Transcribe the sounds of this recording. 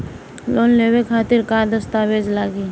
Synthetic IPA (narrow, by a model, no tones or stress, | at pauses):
loːnlewekʰaːt̪ɪɾkaːɾd̪əst̪aːʋeːd͡ʒlaːɡiː